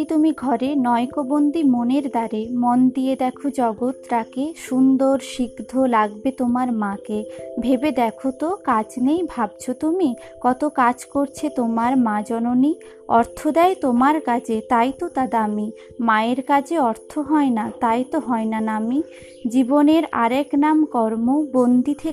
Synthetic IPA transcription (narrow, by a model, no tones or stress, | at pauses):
t̪umiɡʱɔɾenɔekobond̪imoneɾd̪aɾemond̪ijed̪ɛkʰod͡ʑɔɡot̪ɾakeʃund̪oɾʃiɡd̪ʱolaɡbet̪omaɾmãkebʱebed̪ɛkʰot̪okad͡ʑnejbʱab̚t͡ɕʰot̪umi | kɔt̪okad͡ʑkoɾt͡ɕʰet̪omaɾmãd͡ʑɔnoni | ɔɾt̪ʰod̪ɛet̪omaɾkad͡ʑʰet̪ajt̪ot̪ad̪aami | maeɾkad͡ʑʰeɔɾt̪ʰoɦɔenat̪ajt̪oɦɔenanami | d͡ʑiboneɾa̰ɾɛknamkɔɾmobond̪it̪ʰe